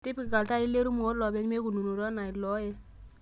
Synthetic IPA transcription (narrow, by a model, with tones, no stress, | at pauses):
ti˦pi˨ɡa˨lta˦i˦lːe˦ɾu˦mo˨˦lɔ˨be˦kme˦ku˨nu˨nu˨ɾa˦na˨i˨lɔ˦je˦